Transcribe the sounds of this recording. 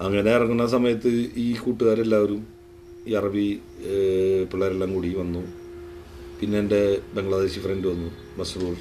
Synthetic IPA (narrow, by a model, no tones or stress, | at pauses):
ɐŋːɐne̞irɐŋːunːɐs̬ɐmɐjɐt̪ːɨiːkuːʈːuɣaːɾe̞lːaːoɾum | iːɐrɐbi | piɭːaːɾeɭːɐŋkuːɽiʋɐnːu | pinːeːnde̞be̞ŋɡɭɐðe̞ːɕifrendɨʋɐnːu | bɐsɐðuɐɭ